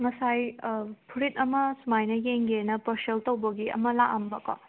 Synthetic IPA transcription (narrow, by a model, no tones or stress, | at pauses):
ŋɐsajpʰuɾit̚ɐmɐsumajnɐjeŋɡenɐpɐɾseltɐwbɐɡiɐ̰mɐlaʔɐmbɐkɔ̰